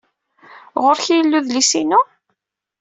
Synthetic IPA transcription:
ʁoɾçijəlːuðlisinu

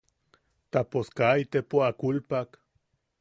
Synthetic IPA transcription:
t̪aposkait̪epoakulpak

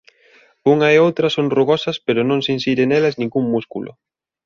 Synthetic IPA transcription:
uŋɐeowt̪ɾɐsoŋroɣɔsɐspeɾʊnõŋsinsiɾenɛlɐznĩŋɡuŋmuskṵlʊ̰

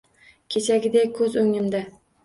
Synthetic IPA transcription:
kʲʰe̞t͡ʃʰaɡʲɪd̪ekʰɵzʊŋɪmd̪a

